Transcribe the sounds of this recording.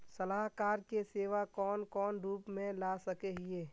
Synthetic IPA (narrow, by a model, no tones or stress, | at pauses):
sɐlaːɦkaːɾkeseːʋakɔːnkɔːnɾuːpmẽlaːsɐkeɦɪeː